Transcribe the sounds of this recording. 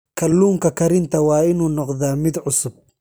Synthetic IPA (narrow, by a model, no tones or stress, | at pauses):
kʰɐlːuːŋkʰɐkʰɐɾɪnt̪ʰɐwɑːɪnuːnɔqðaːmɪd̪ʕʊsʊb̚